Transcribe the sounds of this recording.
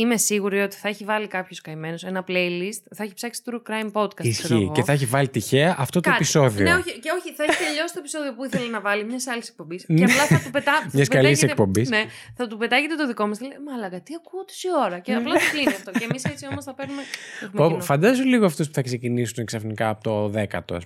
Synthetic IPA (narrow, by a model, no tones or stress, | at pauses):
ime̞siɣuɾio̞t̪i̥θɐeçivɐlikɐpço̞skɐime̞no̞se̞nɐplejlist̪θɐeçipsɐksi̥t̪uɾukɾɐjmpo̞t̪kɐsisçḭɣoceθɐeç̬ivɐlit̪içe̞ɐʔɐft̪ot̪opiso̞ðioneoçiceo̞çiθɐeçiɐʎo̞sist̪opiso̞ðio̞puiθelɐnɐvɐlimɲɐsɐlise̞k̚po̞mbisceɐplɐθɐt̪upet̪ɐθɐmɐɐsupkɐliseeekpo̞mbisneθɐt̪upe̞t̪ɐʝet̪e̞t̪o̞ðiko̞mɐsθɐlemɐːlɐɣɐt̪iɐkuot̪e̥sio̞ɾɐceɐplɐokliniɐft̪o̞cemise̞t͡sio̞mosθɐpeɾnumeexumeonfɐnd̪ɐzuliɣoɐft̪uspu̥θɐkse̞cinisuneksɐfnikɐːpot̪oðekɐ̰t̪o̰s